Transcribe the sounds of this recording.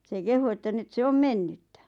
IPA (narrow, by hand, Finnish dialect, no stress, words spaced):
se kehu etːæ nyt se om menːytːæ